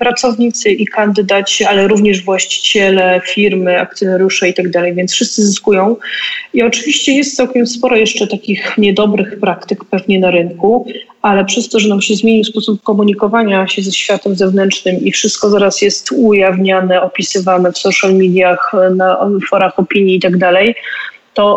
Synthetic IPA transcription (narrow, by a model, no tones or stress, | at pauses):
pɾat̪sɔvɲit̪sɘʔikand̪ɘd̪at͡ɕɛalɛɾuvɲɛʐvwaɕt͡ɕi̥t͡ɕɛlɛfʲiɾmɘa̰k̚t̪sʲjɔnaɾʲjuʂɛit̪aɡd̪alɛjvʲjɛnt̪sfʂɘst̪sɘziskujɔ̃w̃iɔt͡ʂɘvʲiɕt͡ɕɛjɛst̪sawkʲɛmspɔɾɔjɛʂt͡ʂɛt̪akʲixɲɛd̪ɔbɾɘxpɾakt̪ɘkpɛvɲɛnaɾɘŋku | alɛpʂɛst̪ɔʐɛnamɕɛzmʲeɲispɔsupkɔmuɲikɔvaɲaɕɛzɛɕfʲjat̪ɛmzɛvnɛnt͡ʂnɘmifʂɘst̪̚kɔzaɾasjɛst̪ujavɲanɛɔpʲisɘvanɛfsɔʂalmʲid̪ʲjaxnafɔɾaxɔpʲiɲiːt̪aɡd̪alɛj | t̪ɔ